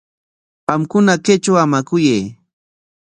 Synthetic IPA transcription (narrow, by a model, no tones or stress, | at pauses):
ɢɑmkʊnaket͡ʃawamakʊjej